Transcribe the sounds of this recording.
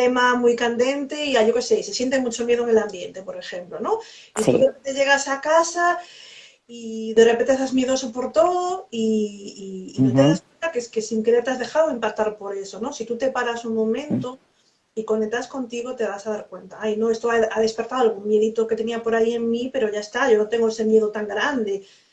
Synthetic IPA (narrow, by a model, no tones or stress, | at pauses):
t̪emamujkand̪e̞nt̪e̞iaʝo̞kesejsesje̞nt̪̬emut͡ʃo̞mje̞ð̞oeŋe̞lambje̞nt̪e̞po̞ɾe̞xe̞mplono̞ | ist̪uðeent̪eʝe̞ɣ̞asakasa | iðerepent̪esazmje̞ðo̞sopo̞ɾt̪o̞ðoiː | not̪eðaskwe̞nt̪akeeskesiŋkɾeɾt̪eazðe̞xaðoimpak̚t̪aɾpo̞ɾe̞sono̞sit̪ut̪e̞paɾasuŋmõ̞mẽnt̪o | ikonek̚t̪asko̞nt̪iɣo̞t̪e̞β̞asaðaɾkwe̞nt̪aajnoest̪oaaðe̞spe̞ɾt̪aalɣumje̞ðit̪oke̞t̪eniapo̞ɾaieŋmipe̞ɾoʝaest̪aʝo̞not̪eŋɡoese̞mje̞ðot̪aŋɡɾand̪e̞